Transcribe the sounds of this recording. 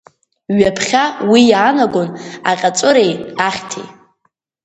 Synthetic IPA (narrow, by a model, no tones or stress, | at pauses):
ɥapʰχʲawijaːnaɡʷona̰qʲʼat͡sʷʼʊɾejaχʲtʰḭj